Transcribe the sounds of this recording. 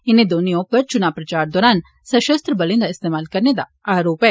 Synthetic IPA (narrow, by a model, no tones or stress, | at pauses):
ɪned̪oːnijõpɐɾt͡ʃʊnaːʋpɾɐt͡ʃaːɾd̪ɔːɾaːn | sɐʃɐst̪ɾəbɐlɪ̃nd̪aɪst̪eːmaːlkɐɾned̪a̰ | aːɾoːpɛ̃